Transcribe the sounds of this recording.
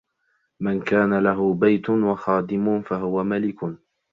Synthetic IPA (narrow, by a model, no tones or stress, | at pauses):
mankaːnalaɦʊbajt̪ʊnwaxɑːd̪ɪmʊfaɦʊwamalɪkʊ